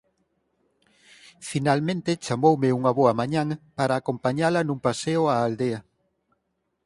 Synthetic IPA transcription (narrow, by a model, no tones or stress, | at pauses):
finalmẽnt̪ɪt͡ʃamowmeuŋɐβoɐmãɲãŋpaɾaːkompaɲalɐnũŋpaseoaːld̪eɐ